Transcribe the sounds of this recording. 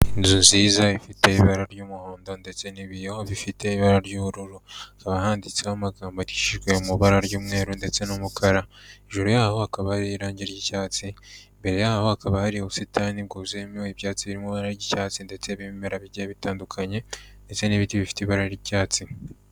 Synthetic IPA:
izunziːzaifite̞iβaɾaɾɟuːmuho̞ːndo̞nde̞t͡se̞niβijeho̞βifitʰe̞iβaɾaɾɟuːβuɾuɾuakaβahaːndit͡sehamaɡaːmboti̥ʃiʒɡwe̞umuβaɾaɾɟuːmŋe̞ːɾunde̞t͡se̞numukʰaɾaeʒuɾujaːho̞akaβahaɾiɾaːɲɟeɾɟicaːt͡simbe̞ɾe̞jaːho̞hakaβahaɾiuβusitʰanib̚ɡuːzemiwiβjaːt͡siβiɾimuβaɾaɾɟicaːt͡sinde̞t͡se̞βimmeɾaβiɟeβitaːndukʰaɲe̞nde̞t͡se̞niβitiβifi̥tiβaɾaiɾicaːt͡si

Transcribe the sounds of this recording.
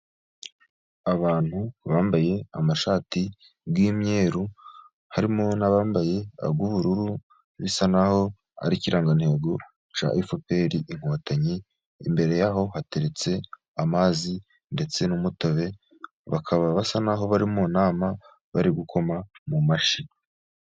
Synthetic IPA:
aβaːn̥huβaːmbaje̞amaʃaːti | ɡwiːmɲe̞ːɾu | haɾimo̞naβaːmbaje̞a̰bɡuβuɾuɾu | βisanaho̞ | a̰ɾiciɾʔaːŋɡan̥he̞ːɡo̞ | t͡ʃa̰ʔifope̞ːɾiʔiŋ̥hwaːtʰaɲiː | mbe̞ɾe̞jaɦo̞hate̞ɾe̞t͡se̞ | amaːzi | nde̞t͡se̞numutoβe̞ | βakʰaβaβasanaɦo̞βaɾimonaːma | βa̰ɾiɡukʰo̞mamumaʃi

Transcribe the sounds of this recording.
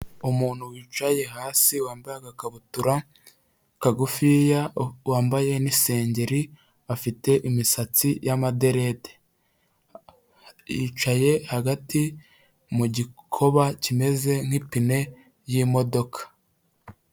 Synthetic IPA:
umuːn̥huwiːt͡ʃaje̞haːsiwaːmbajaɡakaβutuɾa | kaɡufijawaːmbaje̞nise̞ːɲɟe̞ɾi | afite̞ʔimisat͡sijamade̞ɾe̞te̥ | iːt͡ʃaje̞haɡati | muɟikʰo̞βacime̞ze̞ŋ̥hipine̞ | jimo̞do̞kʰḁ

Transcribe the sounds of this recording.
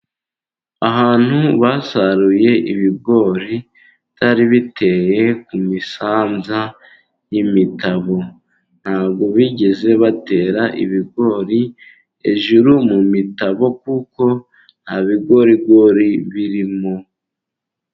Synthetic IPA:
aɦaːn̥huβasaɾuje̞ʔiβiɡo̞ːɾi | tʰaɾiβitʰe̞je̞kumisaːnza | jimitaβo̞ | n̥haːβɡo̞βiɟe̞ze̞βate̞ɾaʔḭβiɡo̞ːɾi | e̞ʒuɾumumitaβo̞kuko̞ | n̥haβiɡo̞ɾibɡo̞ɾiβiɾimo

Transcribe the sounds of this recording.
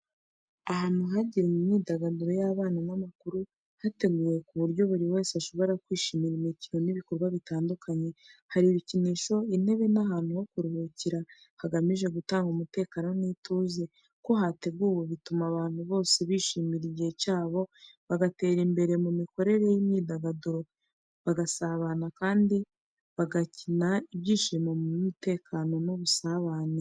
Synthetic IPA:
aɦaːn̥uɦaɟiɾimumɲiːdaɡaniɾo̞jaβaːnanamakuɾu | hate̞ɡuːje̞kuβuɾɟo̞βuɾiwe̞ːseaʃo̞βo̞ɾakwiːʃiːmiɾimicino̞niβiko̞ɾɡwaβitaːndukʰaɲe̞haɾiβiciniːʃo̞ine̞βe̞naɦaːn̥hujo̞kuɾuhuciɾa | haɡamiʒe̞ɡutaːŋɡumute̞ːkaːnoniːtuːze̞ | ko̞ɦate̞ɡuːwoβitumaβaːn̥huβo̞ːse̞βiːʃiːmiɾiɟihecaːβo̞βaɡate̞ːɾimbe̞ɾe̞mumiko̞ɾe̞ɾe̞jimɲiːdaɡaduɾo | βaɡasaβanakaːndi | βaɡacinaiβɟiːʃiːmomumute̞ːkʰaːno̞nuβusaβaːne

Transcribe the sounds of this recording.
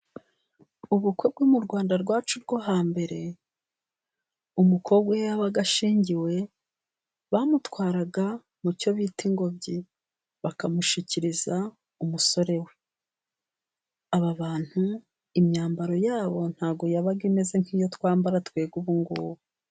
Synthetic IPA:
uβukwe̞b̚ɡuːmuɾɡwaːndaɾɡwaːt͡ʃuɾɡo̞ɦaːmbe̞ɾe̞ | umukʰo̞ɡwejaβaɡaʃiːɲɟiwe̞ | βamutwaːɾaɡa | muco̞βiːtiŋɡo̞bɟi | βakamuʃiciɾiza | umuso̞ɾe̞we̞ | aβaβaːn̥hu | imɲaːmbaɾo̞jaːβo̞n̥haːɡo̞jaβaɡime̞ze̞ŋ̥hiːjo̞twaːmbaɾatkwe̞ːɡuβuŋɡuːβu

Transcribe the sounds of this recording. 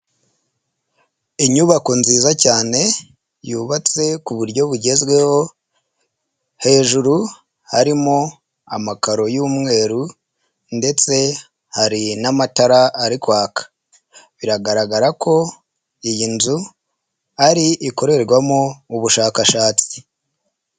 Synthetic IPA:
iɲuβako̞nziːzacaːne̞ | juːβat͡se̞kuβuɾɟo̞βuɟe̞zɡwe̞ho̞ | he̞ːʒuɾu | haɾimo | amakaɾo̞juːmŋe̞ːɾu | nde̞t͡se̞ | haɾinamataɾaːɾikwaːkḁ | βiɾaɡaɾaɡaɾakʰo̞ | ijinzu | aɾiʔiko̞ɾe̞ɾɡwamouβuʃaːkaʃaːt͡si̥

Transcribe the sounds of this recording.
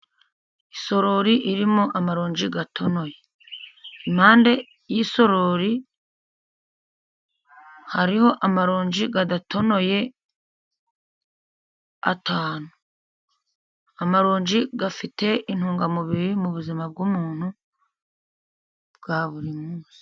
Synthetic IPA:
iso̞ɾo̞ɾiʔiɾimoʔamaɾoːɲd͡ʒiɡatʰo̞no̞je̞ | imhaːnde̞ | jiso̞ɾoɾi | haɾiho̞ʔamaɾoːɲd͡ʒiɡadatʰo̞no̞je̞ | atʰaːnu | amaɾoːɲd͡ʒiɡafite̞ʔin̥huːŋɡamuβiɾimuβuzimab̚ɡuːmuːn̥hu | bɡ̥aβuɾimuːsi̥

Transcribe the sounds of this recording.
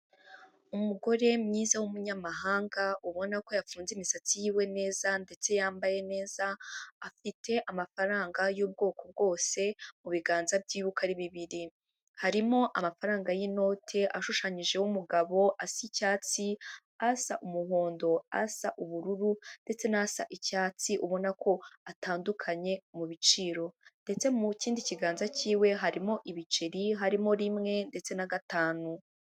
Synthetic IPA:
umuɡo̞ɾe̞mɲiːzawumuɲamaɦaːŋɡauβo̞nako̞jafuːnzimisat͡sijiwe̞ne̞ːzande̞t͡se̞jaːmbaje̞ne̞ːz̥aːfitʰe̞ʔamafaɾaːŋɡajuːb̚ɡo̞ːko̞b̚ɡo̞ːse̞muβiɡaːnzabɟiːβukaɾiβiβiɾi | haɾimo̞ʔamafaɾaːŋɡajino̞ːtʰe̞ʔaʃuʃaɲiʒe̞wumuɡaβo̞ʔasicaːt͡si | asaʔumuɦoːndo̞a̰saʔuβuɾuɾunde̞t͡se̞nasa̰ʔicaːt͡siʔuβo̞nakʰo̞ataːndukʰaɲe̞muβit͡ʃiːɾo̞nde̞t͡se̞muciːndiciɡaːnzaciːwe̞ɦaɾimo̞ʔiβit͡ʃeɾiɦaɾimo̞ɾimŋe̞nde̞t͡se̞naɡataːnu

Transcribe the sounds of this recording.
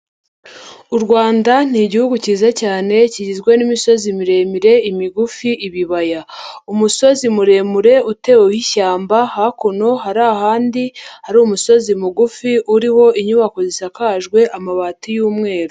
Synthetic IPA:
uɾɡwaːndan̥iɟihuɡuciːzacaːne̞ciɟizɡwe̞nimiso̞zimiɾe̞miɾe̞imiɡufiʔiβiβajaumuso̞zimuɾe̞muɾe̞ute̞wehiçaːmbahakono̞ɦaɾaːhaːndihaɾumuso̞zimuɡufiʔuɾiho̞iɲuβako̞zisakaʒɡwe̞ʔamaβatijuːmŋe̞ːɾo

